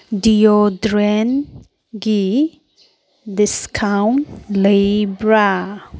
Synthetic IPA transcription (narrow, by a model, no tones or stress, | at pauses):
dijodɾɛn | ɡi | d̪ɪskʰawmlebɾa